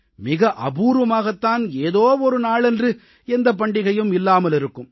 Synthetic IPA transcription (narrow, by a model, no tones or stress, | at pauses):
mɪɣɐʔɐbuːɾʋɐmaːɣɐt̪ːaːneːðoːɔɾɯnaːɭɛndrɯ | ɛnd̪ɐp̬ɐɳɖɪɣɐjɯmɪlːaːmɐlɪɾɯkːɯm